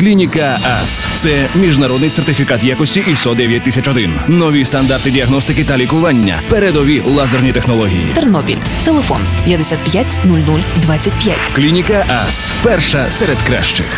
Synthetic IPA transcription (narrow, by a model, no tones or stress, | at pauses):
klʲinʲikɐɛst̪sɛmʲiʒnɐɾɔd̪nɪjsert̪ɪfʲikat̪jakɔsʲtʲiʔist̪ɔd̪ɛʋʲjɐt̚ʲt̪ːɪsʲɐt͡ʃɔd̪ɪnnɔʋʲist̪ɐnd̪art̪ɪdʲiɐɦnɔst̪ɪkɪt̪ɐlʲikʊʋanʲːɐ̰peɾed̪ɔʋʲilˠazɐrnʲit̪exnɔlˠɔɦʲḭjḭt̪ernɔbʲḭlʲ | t̪elˠefɔ̰npjɐd̪esʲat̪̚pjatʲnulʲnulʲd̪ʋatt͡sʲːɐtʲpʲja̰tʲklʲinʲikɐʔɛ̰spɛrʃɐsɛɾed̪kɾɛ̰ʃt͡ʃɪ̰x